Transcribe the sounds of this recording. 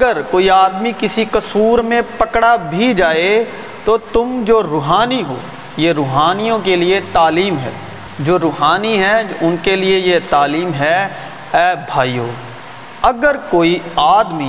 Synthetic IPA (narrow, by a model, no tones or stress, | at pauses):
ɐɡəɾkoːiaːd̪mikɪsikɐsuːɾmẽpɐkɽabʱid͡ʒaːe | t̪ot̪ʊmd͡ʒoːɾʊɦaːniɦo̰ː | jeɾʊːɦaːnijõkeliet̪aːliːmɦɛ̰ː | d͡ʒoːɾʊːɦaːniɦɛʊnkeliejet̪aːliːmɦɛ | ɛːbʱaːijoː | ɐɡəɾkoːiaːd̪mi